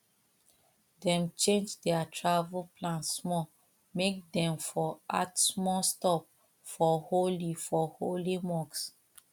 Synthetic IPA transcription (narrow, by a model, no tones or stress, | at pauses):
dɛ̃mt͡ʃẽnd͡ʒdɛatʰɹavulplãntsːmɔ | mek̚dɛ̃mfɔa̰tsmɔstɔp̚ | fɔholifɔholimɔks